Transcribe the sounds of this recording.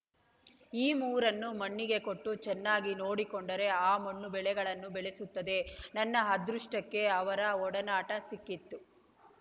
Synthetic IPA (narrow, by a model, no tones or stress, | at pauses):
iːmuːɾɐnːumɐɳːiɡe̞koʈːut͡ʃɛnːaːɡino̞ːɽikoɳɖɐɾe̞aːmɐɳːubɛɭɛɡɐɭɐnːubɛɭesut̪ːɐd̪e̞nɐnːɐɦɐd̪ɾuʂʈɐkːe̞ɐʋɐɾɐɔɽɐnaːʈɐsikːit̪ːu